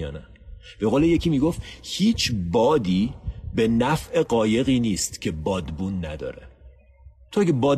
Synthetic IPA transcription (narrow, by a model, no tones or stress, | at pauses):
jɒ̰ːnæ | b̥e̞ɣoːleje̞cʰiːmiːɡoft̪hiːt͡ʃʰbɒːd̪iːbe̞næfʔe̞ɢɒːje̞ɣiːniːst̪cʰe̞bɒːd̪buːnːæd̪ɒ̰ːɾḛ | t̪ʰoæɡebɒːd̪